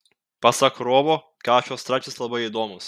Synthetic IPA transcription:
pɐsɐkɾoːʋoː | kɑːʃʲoːst̪ɾɑːt͡ʃʲɪslˠɐbɐɪiːd̪oːmʊs

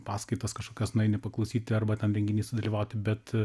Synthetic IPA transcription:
pɑːskɐɪt̪ɐskɐʃkoːkʲɛsnʊɛɪnʲɪpɐklˠɐʊsʲiːt̪ʲɪɐrbɐtʲɛnɾʲɛŋʲɡʲɪnʲiːsʲʊd̪ɐlʲiːʋɐʊt̪ʲɪbʲɛt̪

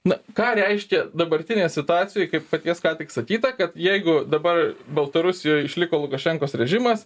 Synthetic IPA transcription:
nʊkɑːɾʲɛɪʃʲkʲɛd̪ɐbɐɾʲt̪ʲɪnʲeːsʲɪt̪ʊɑːt̪sʲɪjojkɐɪppɐt̪ʲiɛskɑːt̪ʲɪksɐkʲiːt̪ɐkɐt̪jɛɪɡʊd̪ɐbɐrbɐlˠt̪ɐɾʊsʲɪjoːjɪʃʲlʲɪkoːlˠʊkɐʃʲɛŋkoːsɾʲɛʒʲɪmɐs

